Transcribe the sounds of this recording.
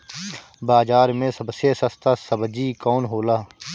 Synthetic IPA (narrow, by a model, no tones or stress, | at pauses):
baːd͡ʒaːɾmẽːsəbseːsəst̪ʰaːsəbd͡ʒiːkoːnɦoːlaː